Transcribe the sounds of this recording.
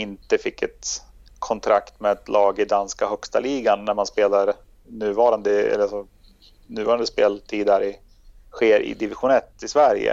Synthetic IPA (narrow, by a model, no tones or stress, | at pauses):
ɪnt̪əfɪkːɛt̪ | kʰɔnt̪ʰɾakt̪mɛɛt̪lɑːɡɪd̪anskahœkst̪aliːɡanːæɾmanspeːlaɾ | nʉ̟ːvɑːɾand̪əɛ̰lːəasɔ | nʉ̟ːvɑːɾand̪əspeːlt̪ʰiːd̪hæɾɪ | ɧeːɾɪ̰d̪ɪvɪɧʊnɛt̪ːɪsvæɾjə̰